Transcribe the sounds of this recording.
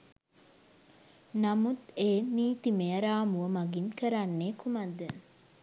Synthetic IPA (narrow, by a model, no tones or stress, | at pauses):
namut̪eːniːt̪imeəɾaːmuʋəmaɡinkəɾanːeːkumad̪ːə